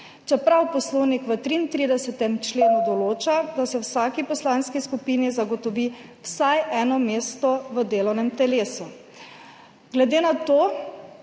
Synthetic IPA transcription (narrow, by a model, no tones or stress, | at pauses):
t͡ʃɛpɾawpɔsloːwnikʋət̪ɾiːnt̪ɾiːd̪ɛsɛt̪ɛmt͡ʃleːnud̪ɔloːt͡ʃad̪asɛwsaːkipɔslaːnskiskupiːnizaɡɔt̪ɔʋiwsajɛːnɔmeːst̪ɔʋəd̪eːlɔwnɛmt̪ɛleːsu | ɡlɛd̪eːnat̪oː